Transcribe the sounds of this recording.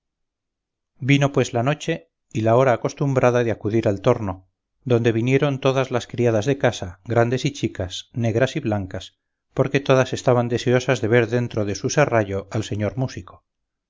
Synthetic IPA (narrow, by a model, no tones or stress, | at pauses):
bino̞pwe̞zlano̞t͡ʃe̞ | ilao̞ɾaːko̞st̪umbɾaðaðeakuðiɾalt̪o̞ɾno̞ | ðo̞nd̪e̞β̞inje̞ɾo̞nt̪o̞ðazlaskɾiað̞azðe̞kasaɣɾand̪e̞sit͡ʃikasne̞ɣɾasiβlaŋkas | po̞ɾke̞t̪o̞ðase̞st̪aβ̞and̪e̞seo̞sazðe̞βe̞ɾðe̞nt̪ɾoðe̞suseraʝo̞alse̞ɲo̞ɾmusiko̥